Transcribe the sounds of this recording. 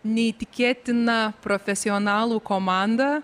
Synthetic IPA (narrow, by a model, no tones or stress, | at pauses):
nʲɛit̪ʲɪkʲeːt̪ʲɪnɐpɾɔfʲɛsʲɪɔnɑːlˠuːkomɑˑnd̪ɐ